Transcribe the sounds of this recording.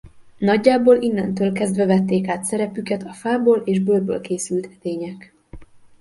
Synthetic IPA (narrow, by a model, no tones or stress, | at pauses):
nɒɟːaːboːlinːɛnt̪øːlkɛzd̪vɛvɛt̪ːeːkaːt̪sɛɾɛpykɛt̪ɒfaːboːlʔeːʒbøld̪̚bø̰ːlkeːsylt̪ʰɛt̪eːɲɛk